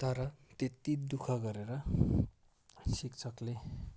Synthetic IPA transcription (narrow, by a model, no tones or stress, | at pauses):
t̪ʌɾʌt̪et̪id̪ukʰʌɡʌɾeɾʌ | sikt͡sʰʌkle